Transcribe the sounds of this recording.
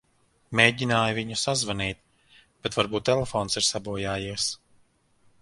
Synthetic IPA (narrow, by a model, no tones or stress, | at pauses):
meːɟʲinaːjviɲusazvaniːt̪ | b̥ɛt̪vaɾbuːt̪ːelefɔːnsiɾsabuɔjaːjiɛs